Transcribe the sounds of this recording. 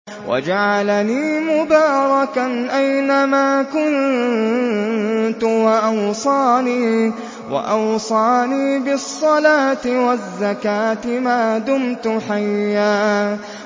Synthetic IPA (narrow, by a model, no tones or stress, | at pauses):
wʔa̰d͡ʒaʕalaniːmʊbaːɾˤɑkanʔajnamaːkʊn | t̪ʊwaʔɑwsˤɑːniː | wa̰ʔɑwsˤɑːniːbɪsˤːɑlaːt̪ɪwazːakaːt̪ɪmaːd̪ʊmt̪ʊħajːaː